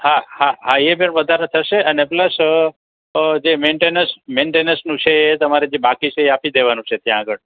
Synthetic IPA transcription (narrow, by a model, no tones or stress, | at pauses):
hahaɦaebəɳʋəd̪ʱaɾẽt̪ʰəʃeʔənepləs | d͡ʒemeɳʈenəsmeɳʈenəɾsnũt͡ʃʰeːt̪əmaɾed͡ʒebakit͡ʃʰeːapid̪eʋanũt͡ʃʰet̪jãːɡəɭ